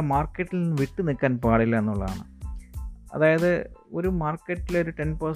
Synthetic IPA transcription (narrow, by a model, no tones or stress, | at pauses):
maːrkːɐʈːilninːɨʋiʈːɨnikːaːnpaːɽilːɐenːuɭːɐða̰ːɳɨ̰ | ɐ̰ðaːjɐðɨo̞ɾumaːrkːɐʈːileo̞ɾuʈenpɐ